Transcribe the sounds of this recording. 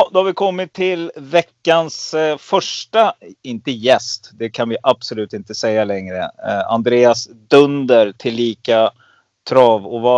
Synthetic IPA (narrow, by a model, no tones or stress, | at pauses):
d̪ɔhaɾvɪkʰɔmːɪt̪ʰːɪlvɛkːansfœʂʈaɪnt̪əjɛst̪d̪ɛkʰanvɪʔab̥sɔlʉ̟ːt̪ɪnt̪əsɛjːalɛŋɾəa̰nd̪ɾeːasd̪ɵnd̪əɾʈ̪ʰɪlːiːka | t̪ʰɾɑːvɔva